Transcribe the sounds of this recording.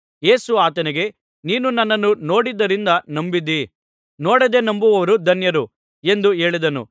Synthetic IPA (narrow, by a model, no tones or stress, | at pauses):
je̞ːsuaːt̪ɐnɛɡe̞ | niːnunɐnːɐnːuno̞ːɽid̪ːɐɾind̪ɐnɐmbid̪i | noːɽɐd̪e̞ːnɐmbuʋɐʋɐɾud̪ʱɐnjɐɾu | e̞nd̪uɦe̞ːɭid̪ɐnṵ